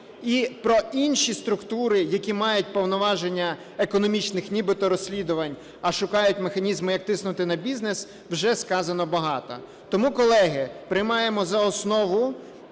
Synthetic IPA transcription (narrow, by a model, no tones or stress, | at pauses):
ipɾɔʔinʃist̪ɾʊkt̪uɾɪjɐkʲimɑjʊt̚ʲpɔwnɔʋɑʒenʲːɐ | ekɔnɔmʲit͡ʃnɪxnʲibɪt̪ɔɾɔsʲlʲid̪ʊʋɐnʲ | ɐʃʊkɑjʊtʲmexɐnʲizmʊjɐk̚t̪ɪsnʊt̪ɪnɐbʲiznes | wʒɛskɑzɐnɔbɐɦɑt̪ɔ̰ | t̪ɔmukɔlˠɛɦɪpɾɪjmɑjemɔzɐɔsnɔʋʊ